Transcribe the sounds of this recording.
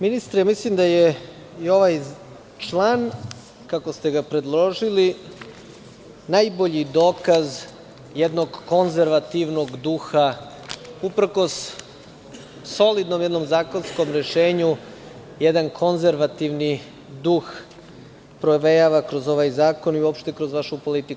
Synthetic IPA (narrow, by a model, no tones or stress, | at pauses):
minist̪ɾamislimd̪aje | io̞ʋaj | t͡ʃlˠaːn | kakost̪e̞ɡapɾe̞d̪lˠo̞ʒili | najbo̞ʎid̪o̞ːkaz | jed̪no̞ɡːo̞nzeɾʋat̪iʋno̞ɡd̪uxa | upɾko̞s | so̞lid̪nomjed̪no̞mzaːko̞nsko̞mɾe̞ʃe̞ːɲu | jed̪ankʰo̞nzeɾʋat̪iʋni | d̪ux | pɾoʋejaʋakɾo̞zo̞ʋaːjzaːko̞niuopʃt̪e̞kɾozʋaʃupo̞lit̪ik